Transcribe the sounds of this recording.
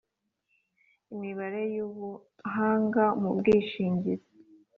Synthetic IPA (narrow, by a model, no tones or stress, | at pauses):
imiβaɾe̞juβu | ɦaːŋɡamubɡiːʃiːɲɟiɾe